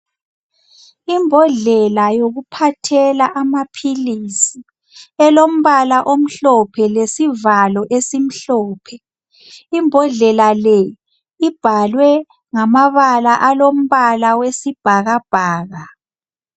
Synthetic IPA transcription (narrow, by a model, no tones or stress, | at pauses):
imbʱɔɮɛlajoɣupʰatʰɛlaʔamapʰilisi | ɛlom̩βalaʔom̩ɬɔpʰɛlesivalɔʔesim̩ɬɔːpʰɛ | imbʱɔɮɛlalɛ | ib̥ʱalwɛ | ŋamaβalaʔalom̩βalawesib̥ʱaɣab̥ʱaːɣa